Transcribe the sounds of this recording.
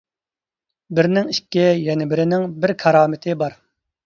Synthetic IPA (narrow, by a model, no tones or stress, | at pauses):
bɪɾnɪŋikʲːɛjɛnɪbɪɾɪnɪŋbɪɾkʰɑɾɑːmɪt̪ʰɪbɑɾ